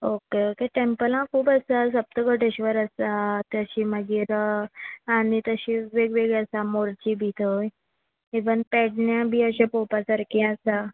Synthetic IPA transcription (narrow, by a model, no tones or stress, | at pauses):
okeokeʈempəlãkʰuːpəsas̬əp̚t̪əɡəʈeɕʋəɾəsat̪əɕiːməɡiɾəanit̪əɕiʋeɡʋeɡəsamoɾt͡ɕiːbʱit̪ʰəj | eʋənpɛɽɳjãbʱiːəɕãpopasəɾkĩəsa